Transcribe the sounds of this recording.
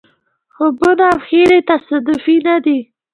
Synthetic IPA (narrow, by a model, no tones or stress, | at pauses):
xobʊnawxeɾet̪asad̪ʊfinad̪i